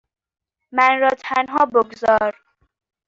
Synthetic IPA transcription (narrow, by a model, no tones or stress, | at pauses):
mænɾɒːt̪ʰænɦɒːboɡzɒːɾ